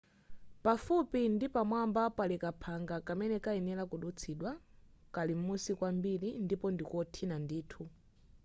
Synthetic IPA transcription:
pafupindipamwambapalɛkapʰaŋɡakamɛnɛkaɛnɛlakuɗut͡sʰiɗwa | kalim̩musikwambilindipɔndikɔtʰinandiːtʰu

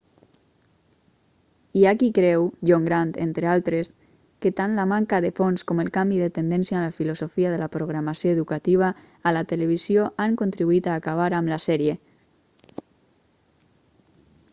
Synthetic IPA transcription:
iakikɾɛwʎoŋɡɾant̪ḛnt̪ɾealˠt̪ɾes | ket̪anlamaŋkaðefonskomelˠkambiðet̪end̪ɛnsjalafilozofiað̞elapɾoɣɾamasjoeðukat̪iβ̞aː | lat̪eleβ̞izjoʔaŋkont̪ɾiβuit̪aːkaβ̞aɾamlasɛɾje

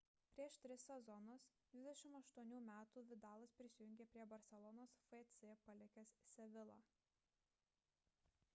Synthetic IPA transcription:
pʲɾʲiɛʃt̪ʲɾʲɪsːʲɛzɔnʊsd̪ʲʋʲɪzd̪ʲɛʃʲɪmɐʃt̪uɔnʲuːmʲæːt̪uːʋʲɪd̪ɑːlˠɐspʲɾʲɪsʲɪjʊŋʲɡʲeːpʲɾʲiɛbɐɾʲsʲɛlˠɔnoːsfɛt̪sʲepɐlʲɛkʲɛssʲɛʋʲɪlˠɐ̰ː

